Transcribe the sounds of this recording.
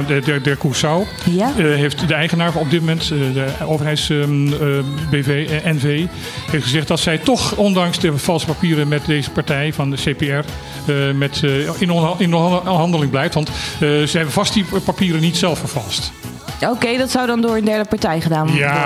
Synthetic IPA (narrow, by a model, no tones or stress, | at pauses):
dɛɹkusaw | ɦejftdəɛjχənaːɹɔb̚dɪtmomɛntəowvərɦɛjts | beveɛnvej | ɦejftχəzɛχt̚dɑtsɛjtɔχɔndɑŋsdəv̥ɑlˠsə̥papiːɾənmɛtdejzəpaɹtɛjvɑnəsejpeɛɹ | mɛtɪnɪnɦɑndəlɪŋblɛjftʋɑntzəɦɛbəvɑstipapiːɾənitsɛlˠfəɹvɑlˠst | okejdɑtsawdɑndʊːɹəndɛɹdəpaɹtɛjχədaːnja